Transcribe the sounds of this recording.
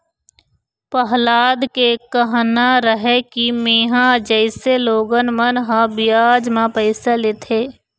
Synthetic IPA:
pəɦlaːd̪kekəɦnaɾəɦekimeːɦãd͡ʒəɪseloːɡənmənɦãbɪjaːd͡ʒmãpɛɪseleːt̪ʰeː

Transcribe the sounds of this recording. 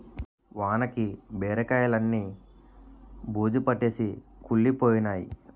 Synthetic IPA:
ʋaːnɐkibɛːɾɐkaːjɐlɐnːiː | buːd͡ʒipɐʈːe̞ːsikuɭːipoːjinaːjḭ

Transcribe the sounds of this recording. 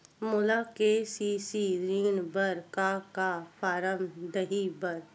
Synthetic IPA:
mʊlakesisiɾiːnbəɾkakapʰaːɾəmd̪əɦibəɾ

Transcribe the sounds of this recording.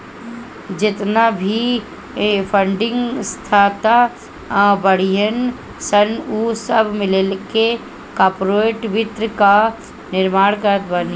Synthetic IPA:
d͡ʒɪt̪nabʱi | pʰəɳɖɪ̃ŋɡst̪ʰaːt̪a | bəɽ̤ijən | sənuːsəbʱmɪlelke | kaːpɾoeʈʋɪt̪ɾəka | nɪɾmaːɽkəɾət̪bani

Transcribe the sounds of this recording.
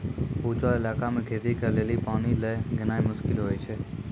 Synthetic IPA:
puːd͡ʒaɪlaːkamẽɡʱeːɾikəɾleːlipaːniləːɡɪnaːimʊʃkɪlɦoːit͡ʃʰeː

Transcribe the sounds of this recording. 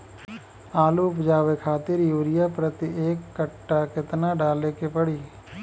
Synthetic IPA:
aːluʊpd͡ʒaːʋekʰaːt̪ɪɾjuːɾɪjapɾət̪iʔeːkːəʈːakɪt̪naɖaːlekepəɽiː

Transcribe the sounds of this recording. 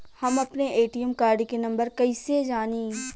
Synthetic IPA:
hɐmɐpneʔeːʈiəmkaːɾɖkenɐ̃mbəɾkɐised͡ʒaːniː

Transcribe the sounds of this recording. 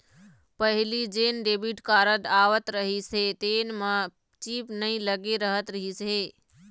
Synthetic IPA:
pəɦɪlid͡ʒeːnɖeːbiʈkaːɾət̪aːʋət̪ɾəɦiset̪eːnmə̃ | t͡ʃiːpnəĩləɡeɾəɦət̪ɾəɦiseː

